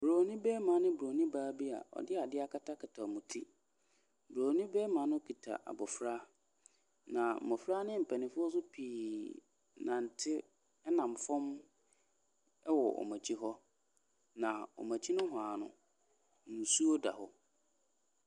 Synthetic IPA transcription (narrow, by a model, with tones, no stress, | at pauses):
bɾoː˨nĩ˦bɛː˦mã˨˦nɪ̃˦bɾo˨nĩ˦baː˦bi˦a̰˨ɔ̰˨dɪ˦a˨dɪ˦a˦˨kʰa˦tʰa˦kʰɪ˨tʰa˨mũ˨tʰi˦ | bɾoː˨nĩ˦bɛː˦mã˨˦nʊ̃˦kʰi˨tʰa̰˨ʔa̰˨bɔ˨fɾa˦ | nã˨mɔ˨fɾa˦nɪ̃˦m̩˨pʰɛ˨nɪ̃˨fʊ˦ɔ˦s̬ʊ˦pʰiː˨ | nã˨n̩˨tʰɪ˦ | ɛ˦nã˨m˨fɔ̃˦m | ɛ˦wɔ̰˨ʔɔ̰˨mã˨t͡ɕʰi˦ɦɔ˦ | nã˨ɔ̰˨mã˨t͡ɕʰi˦nʊ̃˦ɦʊ˨a˨nʊ̰̃˨ | n̩˨su˦o˦da̰˨hɔ˦